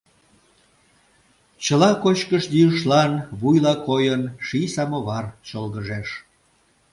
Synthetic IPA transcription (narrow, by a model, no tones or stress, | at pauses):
t͡ɕəlɑkot͡ɕkəʃd̪iəʃlɑnβujlɑkojənʃisɑmoβɑrt͡ɕolɣəʒeʃ